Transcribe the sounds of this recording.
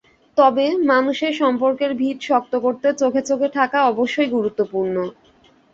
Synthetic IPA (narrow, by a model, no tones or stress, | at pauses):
t̪ɔbemanuʃeɾʃɔmpoɾkeɾbʱiɾʃɔk̚t̪okoɾt̪et͡ɕokʰet͡ɕokʰet̪ʰakaɔboʃːojɡuɾut̪ːopuɾno